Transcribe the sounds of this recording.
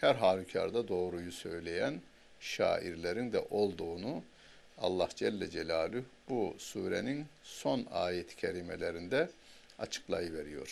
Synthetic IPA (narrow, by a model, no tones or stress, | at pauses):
hæɾɦaːlʲucʰa̰ɾd̪ad̪o̞ːɾujusø̞jlʲejæn | ʃa̰ːʔiɾlʲeɾind̪ɛ̰ʔo̞lˠd̪uːnu | a̰lˠːahd͡ʒɛlʲːɛd͡ʒelʲaːlʲyb̥usuːɾeninso̞na̰ːjet̪ʰi̥cʰelʲimelʲeɾind̪ɛa̰t͡ʃʰɯ̥klˠajɯveɾijo̞̰ɾ̥